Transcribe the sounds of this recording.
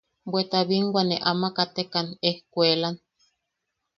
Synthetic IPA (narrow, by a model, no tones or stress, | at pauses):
bwet̪aβiŋɡʷaneʔamakat̪ekanehkʷelan